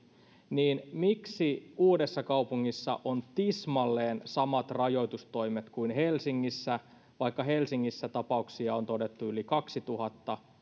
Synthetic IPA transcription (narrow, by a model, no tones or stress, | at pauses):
niːnmiksiuːde̞sːɑkɑupuŋːisːɑ̰ʔont̪ismɑlːeːnsɑmɑt̪rɑjo̞jt̪ust̪o̞jmet̪kuinɦelsiŋːisːæ | ʋɑikːɑɦelsiŋːisːæt̪ɑpɑuksiɑont̪o̞de̞t̪ːuylikɑksit̪uhɑt̪ːɑ